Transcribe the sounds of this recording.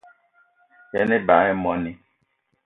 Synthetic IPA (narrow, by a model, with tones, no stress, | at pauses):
jɛ˦ni˦ba˨˦ɛ˦mɔ˦ni˦